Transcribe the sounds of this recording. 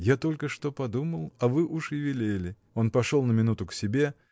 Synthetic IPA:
jat̪o̞lʲkəʂt̪o̞pɐd̪uməlˠɐvɨʔuʂɪvʲɪlʲelʲɪ | o̞npɐʂolˠnəmʲɪnut̪ʊksʲɪbʲe̞

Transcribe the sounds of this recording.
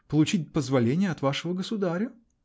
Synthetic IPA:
pəlˠʊt͡ɕit̚ʲpəzvɐlʲenʲɪjəɐt̪vaʂɨvəɡəsʊd̪aɾʲə

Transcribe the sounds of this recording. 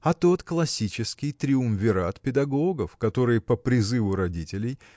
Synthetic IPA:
ɐt̪o̞t̪klˠɐsʲit͡ɕɪskʲɪjt̪ɾʲɪumvʲɪɾat̪pʲɪd̪ɐɡo̞ɡəfkɐt̪o̞ɾɨjpəpɾʲɪzɨvʊɾɐdʲitʲɪlʲɪj

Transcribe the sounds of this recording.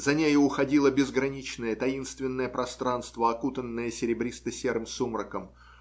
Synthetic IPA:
zɐnʲejʊːxɐdʲilˠəbʲɪzɡɾɐnʲit͡ɕnəjət̪ɐinst̪vʲɪnːəjəpɾʔɐst̪ɾanst̪vəɐkut̪ənːəjəsʲɪɾʲɪbɾʲist̪əsʲeɾɨmsumɾəkəm

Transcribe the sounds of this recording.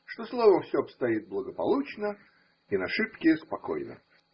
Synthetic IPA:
ʂt̪o̞slˠovəmfsʲoɐpst̪ɐit̪̚blˠəɡəpɐ̰lˠut͡ɕnə | inɐʂɨpkʲɪspɐko̞̰jnə̰

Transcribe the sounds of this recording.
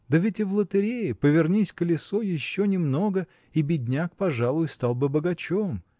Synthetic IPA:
d̪əvʲɪtʲɪvlˠət̪ɨɾʲejɪpəvʲɪrnʲisʲkəlʲɪsojɪɕːonʲɪmno̞ɡə | ibʲɪdʲnʲak̚pɐʐalˠʊjʊst̪alˠbɨbəɡɐt͡ɕom

